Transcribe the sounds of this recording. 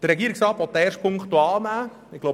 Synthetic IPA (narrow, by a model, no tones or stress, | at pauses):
d̥əɾɛɡiəɾɪksrɑːtʋɔt̚ːəɛːɾʃt̚pʰʊŋtuɑːlnæː | ɪɡ̥lo